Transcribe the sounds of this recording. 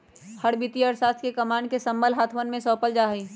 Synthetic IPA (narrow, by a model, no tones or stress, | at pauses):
həɽbit̪iəɾsaːt̪ʰkekɐmaːɳɖkesɐ̃mbəlɦaːt̪ʰmənmẽsɔːpəld͡ʒaːɦiː